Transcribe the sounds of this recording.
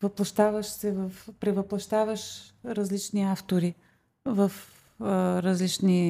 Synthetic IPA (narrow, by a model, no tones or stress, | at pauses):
vəplˠɐʃt̪avəʃsɛvəfpɾɛvəplˠɐʃt̪avəʃɾɐzlit͡ʃniaft̪oɾi | vəf | ɾɐzlit͡ʃni